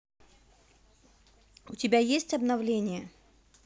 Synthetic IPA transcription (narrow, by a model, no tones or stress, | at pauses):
ʊtʲɪbʲajesʲtʲɐbnɐvlʲenʲɪjə